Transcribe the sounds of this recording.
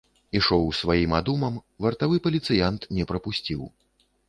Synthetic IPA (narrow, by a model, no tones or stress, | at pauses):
iʂɔwsvajimad̪umɐmvɐrt̪avɨpɐlʲit̪sɨjant̪nʲɛpɾɐpusʲt͡sʲiw